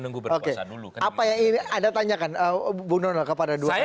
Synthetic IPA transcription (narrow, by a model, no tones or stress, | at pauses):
nɡubokeduuapajaŋiniadat̪aɲakanəbunɔnalkəpadadua